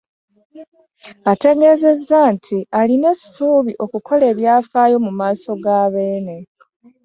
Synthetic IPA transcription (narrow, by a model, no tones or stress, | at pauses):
ate̞ɲe̞ze̞zːantʰialine̞suːβiʔo̞kukʰo̞le̞ːβjaːfaːjo̞mumaːso̞ɡaːβe̞ːne̞